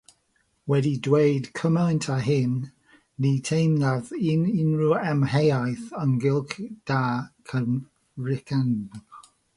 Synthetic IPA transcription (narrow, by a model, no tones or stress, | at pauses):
wɛdidwejdkʰəmantʰaɦɪnː | itʰejnlaðɪnɪnɹuɛmhejajθəŋɡɪlˠkd̥aːkʰən | rɪkʰan